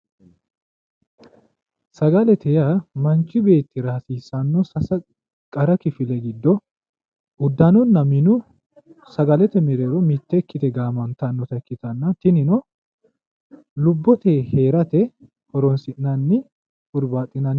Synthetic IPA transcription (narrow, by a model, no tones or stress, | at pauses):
sɐɡɐlɛt̪ʰɛjamɐnt͡ʃʼːɪbe̞ːt̪ːɪɾaːsiːsɐnːɔsɐsɐ | kʼɐɾɐkɪfɪlɛɡɪd̪ːɔ | ʊd̪ːɐnɔnːɐmɪnʊ | sɐɡɐlɛt̪ɛmɪɾeːɾɔmɪt̪ːɛkːɪt̪ɛɡaːmɐnt̪ɐnːɔt̪ɐɛkːɪt̪ɐnːɐt̪ɪnɪnɔ | lʊbːɔt̪eːhe̞ːɾɐt̪ɛ | hɔɾɔnsɪʔnɐnːɪ | ʔʊɾbaːt̪ʼːɪnɐn